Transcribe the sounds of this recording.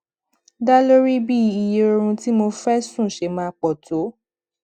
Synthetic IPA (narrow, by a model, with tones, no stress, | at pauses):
da˦lo˦ɾi˦bi˦˨i˨je˦o˧ɾ̃ũ˧ti˨˦mo˧fɛ˦sũ˦˨ʃe˧˨mãː˧˦k͡pɔ˨to˨˦